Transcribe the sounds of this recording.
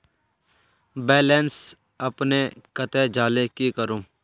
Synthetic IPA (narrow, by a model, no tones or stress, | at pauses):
bɛːleːns | əpnekət̪eːd͡ʒaːlekikəɾõː